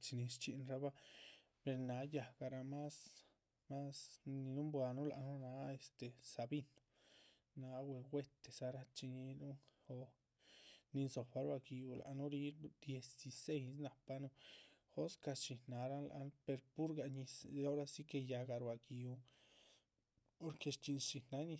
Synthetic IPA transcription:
t͡ʃi˧ni˧st͡ʃi˧nɾa˧˦ba˧ | pe˧ɾna˧˦ja˧˨ɡa˧ɾa˧ma˦s | ma˦sni˧nu˦mbwa˧nu˦la˨ʔnu˦na˧˦e˧st̪e˨sa˧bi˧no̥˧ | na˧˦we˧wʷe˦t̪e˨sa˧ɾa˧t͡ʃi˧ɲi˧nu˦xo˧ | ni˧so˨pa˧˦ɾwa˧ki˧u˧la̰˨ʔnu˦ɾi˧˦ɾd̪je˨si˧se˦js̬na˨pa˦nu˧xo˦ska˧t͡ʃi˧na˧ɾa˦nla̰˧n˧pe˧ɾpu˦ɾɡa˧ɲi˧so˦ɾa˦si˦ke˧ja˧ɡa˧ɾwa˧˨ki˧u˧ | po˧ɾke˧t͡ʃi˧nt͡ʃi˧na˧˦ɲi˧

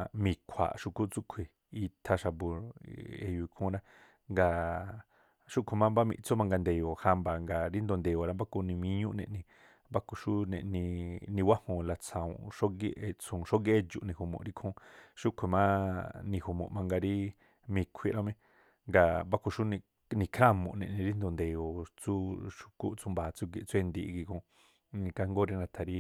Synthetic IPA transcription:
mĩ˧kʷʰa̰˨ʃu˧ku˦t͡su˦kʷʰi˨ | i˧t̪ʰa˧ʃa˧bu˧ɾḛ˧˨ju˧i˧kʰũ˧˦ɾã˦ | ŋɡa˧ | ʃu˦kʷʰi˨mã˦mba˦mḭ̃˧t͡su˦mã˧ŋɡa˧nd̪e˨jo˨ha˧mba˨ŋɡa˨ɾi˦nd̪o˧nd̪e˨jo˨ɾa˦mba˦ko˧nĩ˧mĩ˧˦ɲũ˦ʔnḛ̃˧ʔnĩ˧ | mba˦ku˧ʃu˦nḛ̃˧ʔnĩ˧nĩ˧wa˦hõ˧˨la˧t͡sʰã˨ṵ̃˨ʃo˦ɡi˧˦ʔe˧t͡sũ˨ʃo˦ɡe˦d͡ʒṵ˧ʔnĩ˧hu˨mõ̰˨ʔɾi˦kʰõ˧˦ʃu˦kʷʰe˨mã˦nĩ˧hu˧mõ̰˨ʔmã˧ŋɡa˧ɾi˦ | mĩ˧kʷʰi˧ɾã˧mẽ˧ | ŋɡa˧mba˦ko˧ʃu˦nĩ˧ | nĩ˧kʰɾa˦˨mõ̰˨ʔnẽ˧˨ʔnĩ˧ɾi˦nd̪o˧nd̪e˨jo˨t͡su˦ʃu̥˧ku˦ʔt͡su˧mba˨t͡su˦ɡe˧˨t͡su˦e˦˧nd̪iː˧ɡi˧kõ˧ | nĩ˧ka˧ŋɡo˦ɾi˦˧nã˧t̪ʰa˨ɾi˦

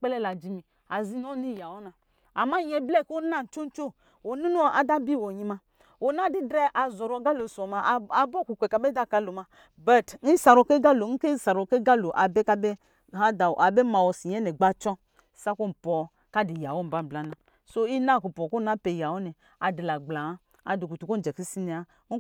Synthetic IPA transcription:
k͡pɛ˦lɛ˦la˨d͡ʒi˦mi˨ | a˨zi˦n˦ɔ˦ni˦˨ja˨wɔ˦na˨ | a˨ma˦ɲɛ˨blɛ˦˨ko˦na˦˨n̩˨t͡ʃo˦n˦t͡ʃo˦˨ | o˨nu˦nu˦ʔa˨da˦bi˦˨wɔ˨ɲi˧ma˧ | o˨na˦di˦dɾɛ˦ʔa˨zɔ˨ɾɔ˧ɡa˦lo˨sɔ˨ma˧˨a˨bɔ˦˨ku˨kʷɛ˨ka˨bɛ˦da˦ka˧lo˨ma˧ | ba˨tn̩˦sa˨ɾɔ˨ke˦ɡa˦lo˨ŋ̩˦ke˦sa˨ɾɔ˨ke˦ɡa˦lo˨ʔa˨bɛ˦ka˦bɛ˦ | a˦da˨a˨bɛ˦ma˨wɔ˨si˨ɲ˦ɛ˦nɛ˨ɡ͡ba˦t͡ʃɔ˦˨˦ | sa˦ko˦m̩˨pɔ˨ | ka˦di˨ja˨wo˦m̩˨ba˦˨bla˨˦na˨ | so˦i˦na˦˨ku˨pɔ˨ko˦na˨˦pe˨ja˨wɔ˦nɛ˨ | a˨di˨la˨ɡ͡bla˨a˦ | a̰˨di˨ku˨tu˨ko˦d͡ʒɛ˨ki˦si˦nɛ˨a˦

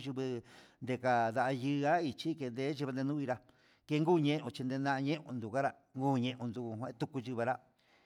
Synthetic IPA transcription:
ʒu˧βɨ˧nd̪e˧ka˧d̪a˧ʔa˧jɨ˧a˦i˧t͡ʃi˦ke˧nd̪e˦ʒi˧βa˧nd̪e˧nũ˦i˧ɾa˧ | ke˧ŋɡuː˦˨ɲẽ˦ʔõ˧t͡ʃi˧nd̪e˧nã˦˧ɲẽ˦ʔõ̰˧nd̪u˨ka˦ɾa˧ | ŋɡuː˦˧ɲẽ˧ʔõ˧nd̪u˧u˧hã˧ẽ˦t̪u˧ku˧ʒɨ˧βa˧ɾa˦

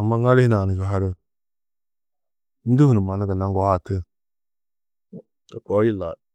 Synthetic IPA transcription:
a˨mːa˦ŋa˦lɪ˦i˦na˨nə˨d͡ʒa˨ɦa˦ɾə˦ | n̩˦du˦hu˨nu˨ma˨na˦ɡə˨na˦ŋ˦ɡɔ˨˦ha˦˨tə˦ | ta˨kɔ˨˦ji˦la˨

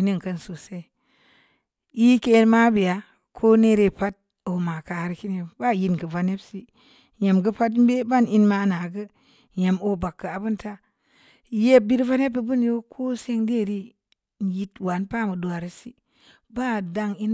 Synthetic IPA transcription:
i˨ni˦˨ŋ˨kə˦nsu˨se˦˨ | i˦ke˦lma˦bi˨ja˨˦ | kʰo˦ne˦ɾe˨pa˦t̚ | o˨ma˨ka˨ɾi˨ki˦ni˨ba˦˨ji˦nkə˨va˨˦ne˦bsi˦ | je˨mɡə˦pa˦tm˦be˦ba˦ni˦nma˦na˨ɡə˦ | je˨mo˦ba˨kːə˨a˨bu˦nta˦ | je˦bi˦ɾva˦ne˦bi˨bu˦njo˦kʰo˦se˦ŋde˦˨ɾi˦ | n˨ji˦twa˨npa˦˨mə˨du˨a˨ɾi˦si˦ | ba˦˨da˦ŋi˦n

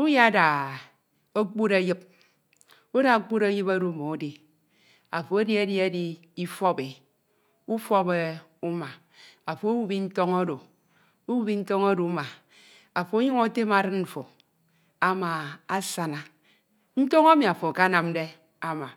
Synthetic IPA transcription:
u˦ja˦da˨ | o˦k͡pu˦ɾa˦jɨ˦p̚ | u˦da˨o˦k͡pu˦ɾa˦jɨ˦pa˦ɾo˦˨mo˨o˨˦di˨ | a̰˨fo˨a˦di˦e˦dji˦a˦di˦ | i˦fɔ˦be˨ | u˦fɔ˦be˦u˦ma˨ | a˨fo˨o˦wu˦bi˦n̩˦to˦ŋo˦do˨ | o˦wu˦bi˦n̩˦tɔ˦ŋa˦do˨˦ma˨ | a˨fo˨o˦ɲo˦ŋo˦te˦ma˨ɾɨ˦nɱ̩˨fo˨ | a˨ma˨a˦sa˨na˨ | n̩˦to˦ŋa˦mi˨a˨fo˨ka˦na˨mde˦ | a˦ma˨

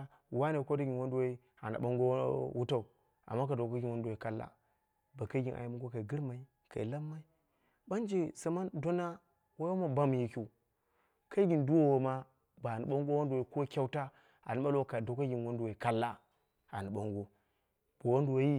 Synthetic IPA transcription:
wa˦ne˨ko˦da˦ɡʲi˨nwo˦ndu˦wa˦i˦ | a̰˨na̰˨ɓa˦ŋɡo˦wu˦ta˦u˨ | a̰˨mːa˦ka˨do˨ka˦ɡʲi˨nwo˦ndu˨wa˨ka˦lːa̰˦ | ba˨ka˦ɡʲi˨nʔa̰˨ji˦ma˦ŋɡo˦ka˨i˨ɡɨ˦ɾma˨i˦ | kʰa̰˨i˨la˦mːa˦i˦ | ba˦nd͡ʒe˨sa˨˦ma˦ndo˦na˦ | wa˦a˦ma˦ba˦m˨ji˦kʲu˦ | ka˦i˦ɡʲi˨ndu˦wo˦wo˨ma˦ | ba˨ni˨ɓa˦ŋɡo˦wo˦ndwa˨i˦ko˦kʲa˦wta˦ | a̰˨ni˦ɓa˦lka˨do˨ka˦ɡʲi˨nwo˦ndu˨wa˨i˨ka˦lːa˦ | a˨ni˨ɓa˦ŋɡo˦ | b̥o˨wo˦ndu˨wo˦i˦

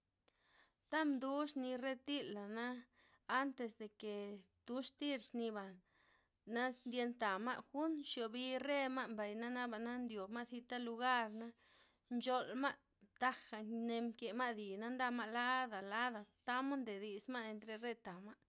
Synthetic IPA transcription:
t̪a˦md̪u˦ʂni˧re˦t̪i˦lːa˨naː˦ | nt̪e˧sd̪e˨ke˨ | t̪u˦ʂt̪i˦ɾsni˧ba˨ | na˦nd̪je˧nt̪a˨ma̰˦ʔxu˦nʃjo˨bi˧re˦ma˦mba˨jna˦na˦ba˨na˦nd̪jo˨bma˦θi˧t̪a˦lu˧ɡa˦ɾna˦ | nt͡ʃo˧lma˦ʔ | t̪a˦xa˨ne˧mke˨ma˦d̪i˨na˦nd̪a˧ma˦la˦d̪a˨la˦d̪a˨t̪a˦ma˦nd̪e˨d̪i˧sma˦e˧nt̪ɾe˧ɾe˦˧t̪a˨ma˦

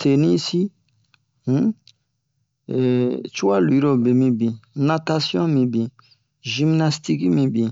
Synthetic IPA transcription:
tʰe˨ni˦si˦ | h̩˦˨ | t͡ʃu˦a˦lu˨i˦ɾo˨be˨mĩ˧bĩ˨na˦ta˦sjɔ̃˦mĩ˧bĩ˨ | ʒi˦mna˦sti˦ki˦mĩ˧bĩ˨

